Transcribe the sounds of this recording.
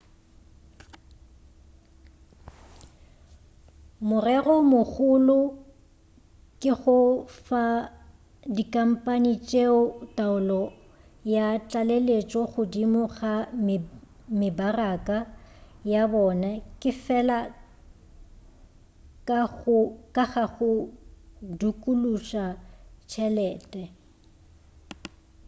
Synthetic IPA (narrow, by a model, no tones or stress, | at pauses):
mʊrɛɣɔmʊɣʊlʊ | kʼɪɣʊfa | dikʼam̩pʼanit͡ʃʼeʊtʼaʊlɔ | jat͡ɬʼalelet͡ʃʼɔɣʊdimʊɣam | mɪbarakʼajabɔnakʼɪfɛla | kakʼaχaχʊ | dukʼuluʃat͡ʃʰɛlɛːtʼɛ